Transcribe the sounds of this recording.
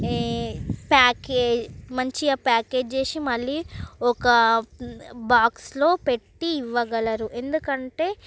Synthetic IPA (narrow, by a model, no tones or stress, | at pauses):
paːkeːd͡ʒmɐɲt͡ʃiaːpaːke̞ːd͡ʒt͡ʃeːsimɐɭːiɔkɐ | baːkslo̞ːpeʈːiːʋːɐɡɐɭɐɾuʔe̞nd̪ukɐɳʈe̞ː